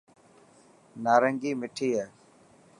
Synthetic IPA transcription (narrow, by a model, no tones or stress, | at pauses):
naːɾəŋɡiːmɪʈʰiːɦɛː